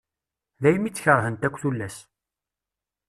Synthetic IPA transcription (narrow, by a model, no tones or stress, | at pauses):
ðæjmit͡sːçəɾˤɦənt̪ækʷːθulːæs